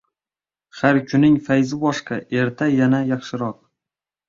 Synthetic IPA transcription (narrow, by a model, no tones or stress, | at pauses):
haɾkʲʰʊnɪŋfajzɪbɒʃqɑʔe̞ɾt̪ʰajanajɑχʃɪɾɒq̚